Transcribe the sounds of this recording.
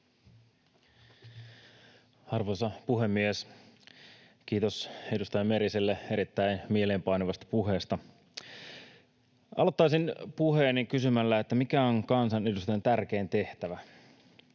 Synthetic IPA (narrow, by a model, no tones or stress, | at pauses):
ɑrʋojsɑpuɦe̞mːies | k̟iːt̪o̞se̞dust̪ɑjɑme̞ɾisilːee̞ɾit̪ːæinmieleːmpɑjnoʋɑst̪ɑ̥puɦe̞ːst̪ɑ | ʔɑ̰lot̪ːɑisinpuheːnːiŋkysymælːæet̪ːæmikæoŋkɑnsɑne̞dust̪ɑjɑnt̪ærk̟eːnt̪e̞ht̪æʋæ